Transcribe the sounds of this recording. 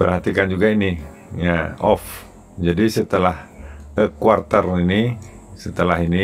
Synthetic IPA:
pərɦat̪ikand͡ʒuɡaini | ɲaɔf | d͡ʒadisət̪əlahəkuart̪ərini | sət̪əlaɦini

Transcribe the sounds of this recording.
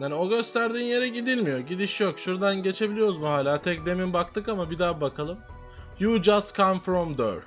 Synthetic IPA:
anio̞ɡø̞st̪ʰæɾd̪iːnje̞ɾɛɟid̪ilʲmijoɟid̪iʃjokʃuɾd̪anɟe̞t͡ʃʰe̞bilʲijo̞ɾuzmuɦaːlʲaːt̪ʰɛc̚d̪e̞minbakt̪ʰɯkamabid̪aːbakʰalˠɯm | jud͡ʒast̪kʰamfɾɔmd̪ə̰ɾ

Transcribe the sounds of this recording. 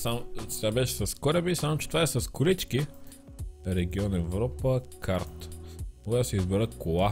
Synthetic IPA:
samt͡ʃt̪ʲabɛʃɛ̥sɐskɔɾɛbisamot͡ʃɛt̪vaɛsɐskʊɾit͡ʃki | ɾɛɡiɔnɛvɾɔpəkʰaɾt̪oɡat̪ʊsɛizbɛɾəkolˠa

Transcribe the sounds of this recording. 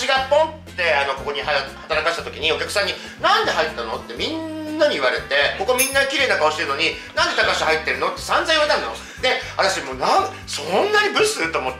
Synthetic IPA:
iɡapːõ̞nt̪ːe̞ano̞ko̞ko̞ɲ̟iɦahat̪aɾakaɕi̥t̪at̪o̞kʲiɲ̟io̞kʲakɯ̟̥sãɲ̟ːi | nãnd̪e̞ɦait̪ːano̞̰t̪ːe̞mʲĩnːaɲ̟iɯβaɾe̞t̪e̞ko̞komʲĩnːakʲiɾe̞ːnakaoɕi̥t̪eɾnoɲ̟inãnd̪e̞t̪akaɕi̥hait̪ːe̞ɾɯno̞t̪ːe̞̥sãnd͡zaiβat̪ãnano | neβat̪aɕimoːnãŋ | sonːaɲ̟ibɯ̟sɨt̪ːomot̪ː

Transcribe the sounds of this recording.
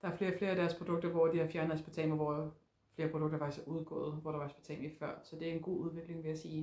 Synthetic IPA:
d̥ɑ̈æɐfle̝ːɐfle̝ːɐæd̥æɐspʰʁod̥ɔ̽ɡ̥̚d̥ɐʋɒd̥ihɑ̈fjæɐnð̩ˠsb̥e̥t͡sʰɛ̰ːmɐʋɒ | fle̝ːɐpʰʁod̥ɔ̽ɡ̥̚dɐfɑ̈ɡ̥ishɑʔuð̞ˠɡ̥ɔ̰̽ːð̩ˠʋɒɾ̥ɑʋɑsb̥æt͡sʰɛ̰ːmɐifɶɐ̰sɒ̽d̥e̝æɐenɡ̥o̝̰ːuð̞ˠʋe̝ɡ̥le̝ŋʋe̝jæsiː

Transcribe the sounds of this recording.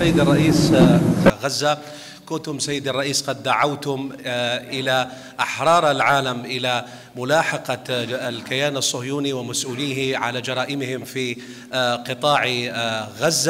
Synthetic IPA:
ajːɪd̪ɑrˤːɑʔiːs | ɣazːa | kʊnt̪ʊmsajːɪd̪ɑrˤːɑʔiːsqɑd̪ːaʕawt̪ʊmʔɪla | ʔaħɾˤɑːɾˤalʕaːlamʔɪla | mʊlaːħɑqɑlkɪjaːnɑsˤːʊhjuːniwɪmasʔuːliːɦɪʕa̰lad͡ʒɑɾˤɑːʔɪmhɪmfi | qɨt̪ˤɑːʕ | ɣazːa

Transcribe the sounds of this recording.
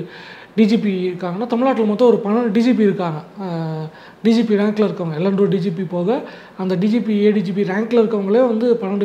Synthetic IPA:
ɖid͡ʒipiɪɾɯkːaːŋɡɐnːaːt̪ɐmɪɭnaːʈːɪlmɐt̪ːɔ̃ːɔɾɯpɐɳɐɖid͡ʒip̬iɪɾɯkːaːŋɡɐ | ɖiːd͡ʒiːpiɾaːŋklɐɪɾɯkːɐʋɐŋɡɐɛlːɐnɖroɖiːd͡ʒipipoːɣɐ | ɐnd̪ɐɖiːd͡ʒipieːɖiːd͡ʒiːp̬iɾaːŋklɐɪɾɯkːɐʋɐŋɡɐɭejʋɐnd̪ɯpɐɳɐɖɯ

